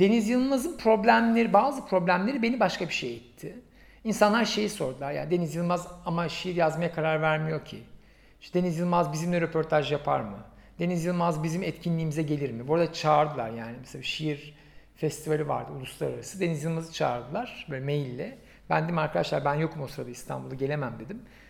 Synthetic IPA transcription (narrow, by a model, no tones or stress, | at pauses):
d̪̥e̞nizjɯlˠmazɯnpʰɾo̞blʲæmlʲe̞ɾibaːzɯpɾo̞blʲæmlʲe̞ɾibenibaʃkabiʃejɛt̪ʰːɪ | insanlˠaɾʃe̞jiso̞ɾd̪ulˠaɾja̰nid̪e̞nizjɯlˠmazamaʃijiɾjazmajakʰaɾaɾvæɾmijo̞ɾcʰi | d̪e̞nizjɯlˠmazbizimlʲɛɾe̞pʰo̞ɾt̪ʰaʒjapʰa̰ɾmɯ | d̪e̞nizjɯlˠmazbizimɛt̪cʰinlʲiːmizɛɟe̞lʲiɾmibuɾad̪at͡ʃʰaːɾd̪ɯlˠa̰ɾjaːnimɛselʲaʃijiɾ | fɛst̪ʰivalʲiva̰ɾd̪ɯulˠuslˠa̰ɾaɾasɯd̪e̞nizjɯlˠmazɯt͡ʃʰaːɾd̪ɯlˠaɾ̥bøːlʲɛmejilʲːɛ | bæ̰nd̪eid̪imaɾkʰad̪aʃlˠaɾbænjo̞kmuo̞sɾad̪aist̪ʰa̰nbulˠaɟe̞lʲe̞mæmd̪e̞d̪im